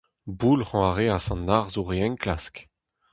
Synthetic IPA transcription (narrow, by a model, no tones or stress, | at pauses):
bulχɔ̃aʁeasɑ̃nːaʁzuʁeɛ̃ŋklask